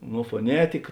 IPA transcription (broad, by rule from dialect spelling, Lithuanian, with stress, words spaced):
noː foːˈnʲæːtʲɪkɐ